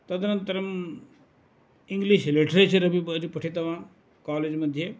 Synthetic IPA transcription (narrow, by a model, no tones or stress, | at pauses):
t̪ɐd̪ɐnɐnt̪ɐɾɐm | iŋɡliʃleʈɾisɐɾɐbiɐd͡ʒipɐʈʰit̪ɐʋãː | kaːleːd͡ʒmɐd̪ʱje